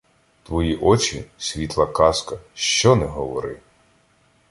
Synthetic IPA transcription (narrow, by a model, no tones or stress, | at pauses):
t̪ʋɔjiʔɔt͡ʃisʲʋʲit̪lˠɐkɑskɐʃt͡ʃɔnɛɦɔʋɔɾɪ̰